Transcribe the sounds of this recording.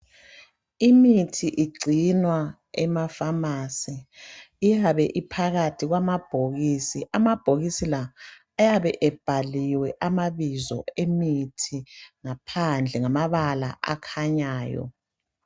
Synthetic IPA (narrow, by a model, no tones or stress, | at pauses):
imitʰiʔiɡ͡ǀʱinwa | ɛmafamasiː | jaβɛʔipʰaɣatʰiɣwamab̥ʱoɣisiʔamab̥ʱoɣisilaː | jaβɛʔɛb̥ʱaliwɛʔamaβizɔ̰emitʰiŋapʰand͡ɮʱɛŋamaβala̰ʔa̰kʰaɲaːjɔ̰